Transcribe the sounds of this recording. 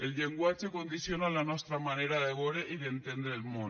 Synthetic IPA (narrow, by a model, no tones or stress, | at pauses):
elʎe̞ŋɡwat͡ʃeko̞nd̪iθjonalanost̪ɾamaneɾaðeβoɾeʔiðent̪end̪ɾelmo